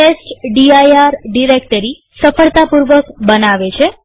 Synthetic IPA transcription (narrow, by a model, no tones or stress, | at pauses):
ʈesʈɖiajaɾɖiɾekʈəɾi | səfəɭt̪apuɾʋəkbənaʋet͡ʃʰe